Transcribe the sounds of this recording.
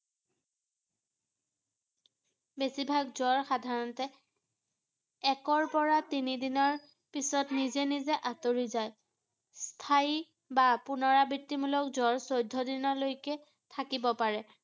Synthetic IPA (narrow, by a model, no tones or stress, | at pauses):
besibʱaɡzɔɹxadʱaɹɔntɛ | ɛkɔɹpɔɹatinidinɔɹ | pisɔtnizɛnizɛʔatoɹizaj | stʰai | bapunɔɹabitːimulɔk̚zɔɹsojdʱːɔdinɔlojkɛ | tʰakibɔpaɹɛ